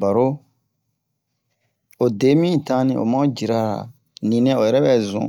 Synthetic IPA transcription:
ba˨ɾo˦ | o˨de˨˦mĩ˦˨tã˦nĩ˨o̰˨mã˦o˦d͡ʒi˨ɾa˦ɾa̰˨ | nĩ˨nɛ̃˦o˨jɛ˨ɾɛ˦bɛ˨zṵ̃˨

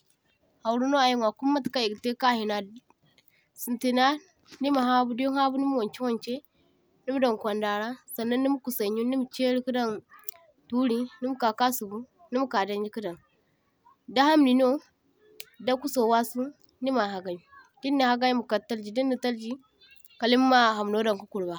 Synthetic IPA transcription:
ha˨wu˨ɾu˦no˦a˨ji˦ŋʷ˨a˨ku˦mːa˦tka˦i˨ɡte˦ka˦hi˨na˨ | si˨nti˨na˦ | ni˦ma˨ɦa˦bu˦djo˦ha˦bu˦ni˦m˦wo˨nt͡ʃi˦wo˦˨nt͡ʃe˦ | ni˦m˦da˨ŋ˨kʷa˨nda˨ɾa˦sa˨nːa˦nːi˦mu˦ku˨sa˨ɲu˦ni˦m˨t͡ʃe˦ɾi˦ku˦da˦n | tu˦ɾi˦ni˦m˦ka˨ka˦su˨bu˦ | ni˦mu˦ka˨da˦nd͡ʒi˦ki˦da˨n | da˦ha˦mni˨no˦ | da˦ku˦so˨wa˦su˦ | ni˦ma˨ɦa˨ɡa˨j | di˦nːi˨ha˨ɡa˦ji˦mu˨ka˨tːa˦ld͡ʒi˨di˦nːi˨ta˦ld͡ʒi˦ | ka˨li˦m˦ma˦ɦa˨m˨no˦da˨ŋku˦ku˨lba˨

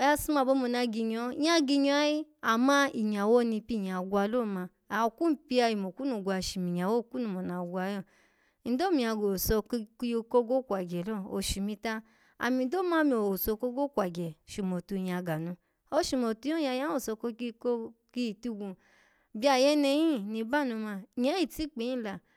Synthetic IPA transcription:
ja˧su˧˦ma˨˧˨bo˦mo˧˨na˧ɡi˧ɲɔ˧˨˦a˧˦ɡi˧ɲɔ˧a˦ji˦ | a˨mã˦i˨ɲ˨a˨wo˦nĩ˧pi˦˨ɲ˨a˨ɡʷa˧˦lo˦˨ma˧ | a˨o˧ku˦m̩˦pi˧a˧i˨mo˨ku˦nu˨ɡʷa˧˨ʃi˨mi˨ɲ˨a˨wo˦˨ku˦nu˧mo˨na˨ɡʷa˧jɔ˦˨˦ | n̩˨˦do˦mĩ˨a˧˨ɡo˨sɔ˧˦˧ko˦ɡo˦kʷa˨ɡɛ˨lo˦˨o˨ʃi˨mĩ˧ta˦ | a̰˨mĩ˧˦do˦˨mã˦mĩ˧˨o˨sɔ˧ko˦ɡo˦kʷa˨ɡɛ˨ʃu˨mo˨tu˧˨jã˧˨ɡa˨nũ˧ | ɔ˧ʃi˨mɔ˨tu˧˦ɔ̃˦ja˧jã˦o˦˨sɔ˧ko˧ki˦ko˦ki˦˨tu˧ɡũ˧ | bi˧˦a˧˨jɛ˧˦nɛ˧jĩ˦˨nĩ˧ba˦˨nũ˧mã˧˨ɲɛ̃˨˦i˦˨ti˨˦k͡pi˨˦ĩ˦˨la˨

